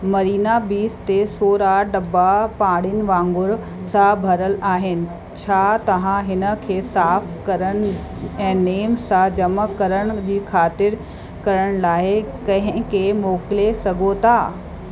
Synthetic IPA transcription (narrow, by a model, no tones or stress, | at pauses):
mɐɾiːnabiːst̪esoːɾaɖɐbapãːɽɪnɪ̆ʋãːŋɡʊɾ | sãbʱɐɾəlaːɦɪnɪ̆ | t͡ɕʰaːt̪ɐʋ̤ãɦɪnə̆kʰeːsaːfkɐɾəɽ̃ɛ̃ːneːmsãd͡ʑɐməkɐɾəɽ̃̆d͡ʑiːkʰaːt̪ɪɾ | kɐɾəɽ̃laːɪkɐ̃ɦɪ̃kemoːkɪlesɐɡʱot̪ʰaː